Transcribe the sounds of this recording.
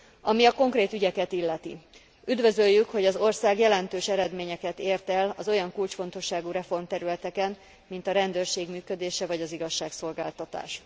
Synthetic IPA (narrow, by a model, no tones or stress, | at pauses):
ɒmiɒko̞ŋkreːt̪yɟɛkɛt̪ilːɛt̪ḭ | yd̪vø̞zøjːykho̞ɟɒzo̞rsaːɡjɛlɛnt̪øːʃɛɾɛd̪meːɲɛkɛt̪eːrt̪ɛlɒzo̞jɒŋkult͡ʃfo̞n̪t̪o̞ʃːaːɡuːɾɛfo̞rmt̪ɛɾylɛt̪ɛkɛn | mint̪ɒɾɛnd̪øːrʃeːɡmyːkød̪eːʃɛvɒɟɒziɡɒʃːaːkso̞lɡaːlt̪ɒt̪a̰ːʃ